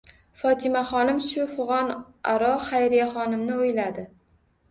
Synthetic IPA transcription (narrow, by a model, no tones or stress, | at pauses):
fɒt̪ʰɪmaχɒnɪmʃʊfʊʁɒn | aɾɒχajɾijaχɒnɪmnɪʊjlad̪ɪ